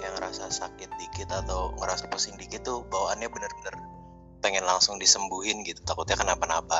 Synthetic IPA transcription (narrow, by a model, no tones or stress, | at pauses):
jaŋəɾasasakɪt̪̚dikɪt̪at̪awŋəɾasapəsɪŋdikɪt̪ːʊbawaʔanɲabənərbənər | pɛŋɛnlaŋsʊŋdisəmbuɦɪnɡit̪u̥t̪akʊt̪̚ɲakənapanaba